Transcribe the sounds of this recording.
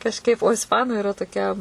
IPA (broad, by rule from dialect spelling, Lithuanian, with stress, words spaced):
kɐʃˈkɐɪp oː ɪsˈpɑːnʊ ɪˈrɐ toːˈkʲɛ